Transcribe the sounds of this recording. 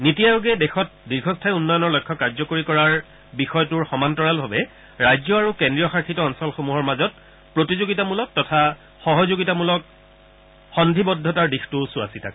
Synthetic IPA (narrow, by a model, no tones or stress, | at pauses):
nitijajuɡɛdexɔt̚diɹɡʱɔstʰajunːɔjɔnɔɹlɔjkʰːɔkaɹzɔkoɹikɔɹaɹ | bixɔjɔtʊɹxɔmantɔɹalbʱabɛ | ɹajzɔaɹukendɹijɔxaɹkʰitɔɔnsɔlxomuɦɔɹmazɔt̚ | pɹotizoɡitamulɔk̚tːɔtʰa | xɔɦɔzoɡitamulɔk̚ | xɔndʱibɔdʱːɔtaɹdixtʊsuasitʰa̰k